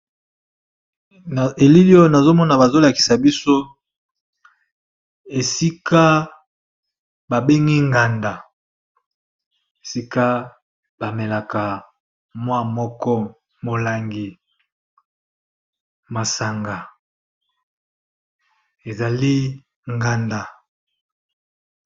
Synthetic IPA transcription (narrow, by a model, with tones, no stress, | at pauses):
e˨li˦li˦o˦na˨zo˦mɔ˦na˨ba˨zo˦la˨ki̥˨sa˨bi˦so˦ | e˨si˦ka˦ | ba˨be˦ŋɡi˦ŋɡa˨nda˨ | e˨si˦ka˦ | b̥a˨me˨la˨ka˨ | mwa˦˨mɔ˦kɔ˦ | mo˨la˨ŋɡi˨ | ma˨sa˨ŋɡa˨ | e˨za˨li˦ | ŋɡa˨nda˨